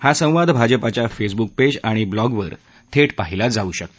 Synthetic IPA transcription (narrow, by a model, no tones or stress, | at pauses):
hasə̃w̃ʋad̪ʱbʱad͡ʑəpat͡ɕjafes̬buk̚ped͡ʑaɽ̃iblɔɡʋəɾ | t̪ʰeʈpaɦilad͡zauːɕəkt̪o̥